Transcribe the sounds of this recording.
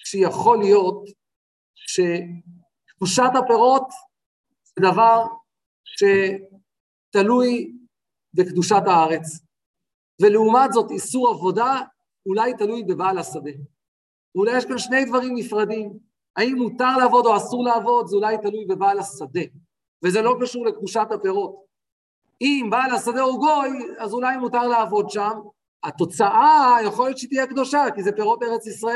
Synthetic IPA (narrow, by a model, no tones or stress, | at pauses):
ʃejaχo̞lijo̞t̪ | ʃe̞ | kd̪uʃat̪hape̞ʁo̞t̪ | zed̪avaʁ | ʃe̞ | t̪aluj | bekd̪uʃat̪haaʁe̞t͡s | veleumat̪zo̞t̪isuʁavo̞da | ulajt̪alujbe̞baːlasad̪e̞ | vulajeʃɡanʃne̞jd̪vaʁimnifʁad̪im | aimːut̪aʁleavo̞d̪o̞asuʁleːvo̞d̪zeulajt̪alujbe̞baːlasad̪e̞ | vezelo̞kaʃuʁle̞kduʃat̪hape̞ʁo̞t̪ | imbaːlhasad̪e̞oɡo̞jazulajmut̪aʁleːvo̞d̪ʃam | at̪o̞t͡saʔajaχo̞ljet̪ʃeit̪ijekd̪o̞ʃakizepe̞ʁo̞t̪̚beeʁe̞t͡sisʁae